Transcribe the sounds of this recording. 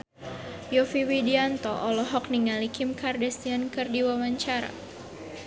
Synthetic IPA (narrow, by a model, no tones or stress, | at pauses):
jɔfiwidiant̪ɔʔɔlɔɦɔk̚niŋalikɪmkardɛst̪iankɨrdiwawaɲt͡ʃaɾa̰